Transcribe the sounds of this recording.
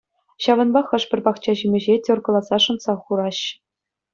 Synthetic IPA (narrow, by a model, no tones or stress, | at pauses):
ɕɑʋɤ̆nbɑχɤ̆ʂpʲɘ̆rʲpɑχt͡ɕɑʑimʲɘ̆ʑetʲŏrɡɤ̆lˠɑzɑʂɤ̆nzɑχuɾɑɕ